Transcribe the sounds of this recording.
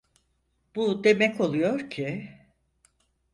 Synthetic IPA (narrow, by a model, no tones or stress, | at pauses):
b̥ud̪e̞mɛco̞lˠujo̞ɾcʰɪ